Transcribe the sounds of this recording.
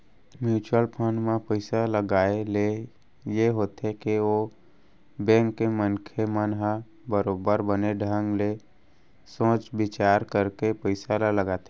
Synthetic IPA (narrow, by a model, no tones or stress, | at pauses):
mjuːt͡ʃəlpʰənmãpəɪsaləɡaːele | jeɦoːt̪ekeo | bɛ̃ːŋkːemənkʰemənɦa | bəɾoːbəɾbəneɖʱə̃ŋɡle | sõːt͡ʃbɪt͡ʃaːɾkəɾkepəɪsalaləɡaːt̪e